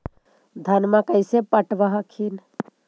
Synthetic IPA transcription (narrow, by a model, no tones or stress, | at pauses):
d̪ʱɐnmãkəjsepəʈʋaɦakʰin